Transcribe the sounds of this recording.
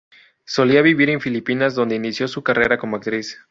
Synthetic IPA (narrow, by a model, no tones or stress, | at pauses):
so̞liaβiβiɾe̞ɱfilipinazðo̞nd̪e̞inisjo̞sukare̞ɾako̞moakt̪ɾis